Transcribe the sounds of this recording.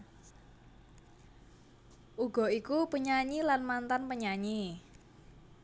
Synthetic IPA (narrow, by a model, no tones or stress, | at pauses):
ʔuɡ̥ɔ̤ikupəɲaɲilanmant̪anpəɲaɲi